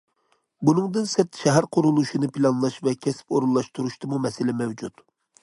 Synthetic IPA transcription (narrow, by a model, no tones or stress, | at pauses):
bunɨŋd̪ɨnsɪɾt̪ʃɛɦæɾqʰʊɾulˠuʃinɨpʰilˠɑnlˠɑʃvɛkʲʰɛsɪ̥poɾulːˠɑʃt̪uɾuʃt̪ɨmumɛsɪlɪmɛwd͡ʒut̪